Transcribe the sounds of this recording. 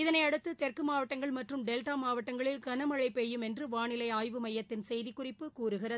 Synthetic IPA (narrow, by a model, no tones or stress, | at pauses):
ɪðɐnɐɪɐɽɯt̪ːɯt̪ɛrkɯmaːʋɐʈːɐŋɡɐɭmɐʈrɯmɖɛlʈaːmaːʋɐʈːɐŋɡɐɭɪlkɐnɐmɐɻɐɪpːeːjɯmɛndrɯʋaːɳɪlɐɪaːjʋɯmɐjːɐt̪ːɪnsɛjðikːʊrɪpːɯkuːɾɯɣɪrɐ